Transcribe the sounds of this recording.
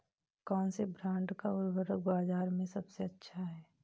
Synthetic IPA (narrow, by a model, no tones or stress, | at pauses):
kɔːnsebɾãːɳɖkaʊɾbəɾəkbaːzaːɾmẽsɐbseɐtːʃʰaɦɛː